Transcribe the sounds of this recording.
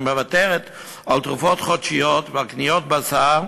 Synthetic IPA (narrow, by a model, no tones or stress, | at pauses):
məvatɛʁɛt̪ | alt̪ʁufɔtχɔtʃijotvalknijɔt̚basaʁ